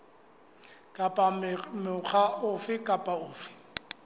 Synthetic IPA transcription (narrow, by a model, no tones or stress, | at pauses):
kʼapʼamɪʊχʰaʊfɪkʼapʼaʊːfɪ̥